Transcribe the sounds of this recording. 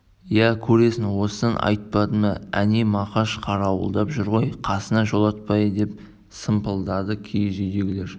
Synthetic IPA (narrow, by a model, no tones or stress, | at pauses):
jækʲʰɵɾe̞sɪnwo̞səənʔɑ̰jt̪̚pɑd̪əməænemɑqɑʃqʰɑɾɑwə̰lˠd̪ɑpʒʏɾʁo̞jqʰɑsənɑʒo̞lˠɑt̪̚pɑjəd̪e̞p̚ | səmpəlˠd̪ɑd̪əkʲʰejʒejd̪e̞ɡʲɪle̞ɾ